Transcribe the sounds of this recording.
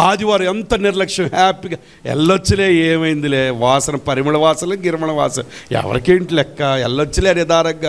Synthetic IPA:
aːd̪iʋaːɾɐɛnt̪ɐniɾɐlɐkʂɐmaːpːiɡɐ | ɛ̰lːot͡ʃːɐleːjeːʋɐjind̪ileːʋaːsɐnɐpɐɾimɐɭɐʋaːsɐlɐɡiɾɐmɐɳɐʋaːsɐja̰ʋɐ̰ɾɐkeːɳʈlɛkːɐɛ̰lːot͡ʃːɐleːɐɽjɐd̪aːɾɐɡːɐ

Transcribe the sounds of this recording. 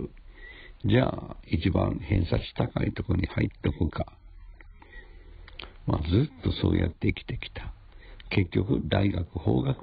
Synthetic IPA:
d͡ʑaːit͡ɕibãɴhẽ̞ɰ̃sat͡ɕi̥t̪akait̪o̞koɲ̟ihait̪ːokɯ̟kʰa | mazɨt̪ːo̞so̞̰ːjʔa̰t̪ːe̞ikʲi̥t̪e̞kʲi̥t̪ʰḁ | ke̞kʲːo̞kɯ̟d̪aiɡakɯ̟ho̞̰ːɡak

